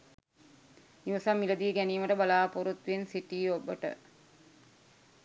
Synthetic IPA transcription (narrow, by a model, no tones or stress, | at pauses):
niʋɐsamːiləd̪iəɡæniːməʈəbalaːpoɾut̪ʋensiʈiːobəʈə̰